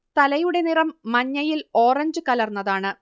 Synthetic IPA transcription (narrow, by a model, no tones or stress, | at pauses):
t̪ɐlɐjuɽe̞nirɐmːɐɲːɐjilo̞ːrɐɲd͡ʑɨkɐlɐrnːɐðaːɳɨ